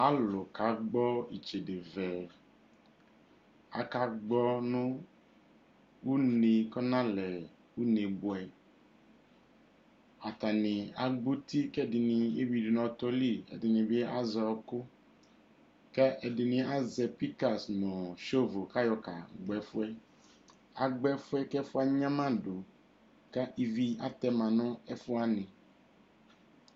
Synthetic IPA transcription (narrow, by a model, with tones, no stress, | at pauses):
a˦lʊ˨ka˨˦ɡ͡bɔ˦i˨t͡ʃe˨dɪ˨vɛ˨ | a̰˨ka˨ɡ͡bɔ˦nʊ̃˦ | u˦ne˨kɔ˦nã˦lɛ˨ | u˦ne˨bʊ˨ɛ˨ | a˨ta˨nɪ̃˨a˨ɡ͡bu˦ti˦kɛ˦˨dɪ˨nɪ˨e˦wi˨di˨˦nɔ̃˨tɔ˦li˦ɛ̰˨dɪ˨nɪ̃˨bɪ˦a˦zɔ˨kʊ˦ | kɛ˦ʔɛ˨dɪ˨nɪ̃˨a˦zɛ˨pi˦ka˨snɔ̃˨ʃo˦vo˨ka˦jɔ˨ka˨ɡ͡bɛ˨fʊ˦ɛ˦ | a˨ɡ͡bɛ˦fʊ˦ɛ˦kɛ˦fʊ˦a˦ɲã˦mã˦dʊ˨ | ka˦ʔi˦vi˦a˦t̪ɛ˦mã˨nʊ̃˦ɛ˦fʊ˦a˦nɪ̃˨